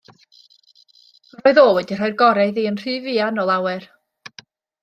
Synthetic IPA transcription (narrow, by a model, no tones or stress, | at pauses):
arɔːɨðoːwɛdir̥ajrɡɔɾɛðiːənr̥ɨːvianɔlˠawɛr